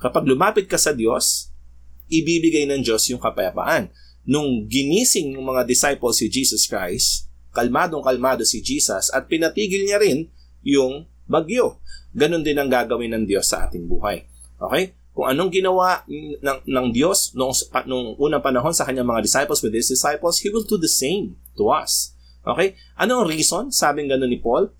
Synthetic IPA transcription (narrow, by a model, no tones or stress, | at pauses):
kɐpaɡ̚lʊmaːpɪt̪̚kɐsɐd̪jo̞s | ʔɪbiːbɪɡajnɐŋd͡ʒo̞sjʊŋkɐpɐjɐpa̰ʔɐnː | ʊŋɡɪniːsɪŋnʊŋmɐŋad̪ɪsajpolsɪd͡ʒiːsɐskɹajskɐlmaːd̪oŋkɐlmaːd̪o̞sɪd͡ʒiːsɐsɐt̪̚pɪnɐt̪iːɡɪlɲɐɾɪn | jʊŋ | bɐɡjo̞ɡɐno̞nd̪ɪnɐŋɡaːɡɐwɪnɐŋd̪jo̞sːɐ̰ʔa̰ːt̪ɪŋbuːhɐ̰j | ʔo̞̰kɛj | kʊŋʔɐno̞ŋɡɪnɐwaʔnɐŋnɐŋd̪jo̞snoʔŋspɐnʊŋʔuːnɐŋpɐnɐɦo̞nsɐkɐɲːaŋmɐŋad̪ɪsajpolsmɛd̪hɪsd̪ɪsajpolshiwɪld̪ud̪ɐsẽjmt̪ʊʔɐ̰s | ʔo̰kɛj | ʔɐnoʔɐŋɾiːso̞nsaːbɪŋɡɐno̞nːɪpo̞l